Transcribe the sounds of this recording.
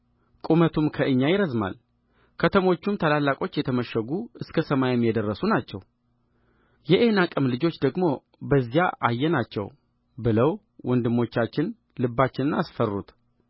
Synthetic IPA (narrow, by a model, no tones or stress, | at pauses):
kʼumət̪ʰumkʰəʔɨɲːajɪɾəzma̰l | kʰət̪ʰəmo̞t͡ʃːumt̪ʰalalːakʼo̞t͡ʃːjɛt̪ʰəməʃəɡuɨskʰəsəmajɛmːjɛd̪ərːəsunat͡ʃːɛw | jɛʔenakʼɨmlɨd͡ʒo̞t͡ʃːd̪əɡmo̞ | bəzːijaʔajːɛnat͡ʃːɛ̰w | bɨləw | wʔɔnd̪ɨmːo̞t͡ʃːat͡ʃːɪn | lɨbːat͡ʃːɪnɨnːasfərːṵt̪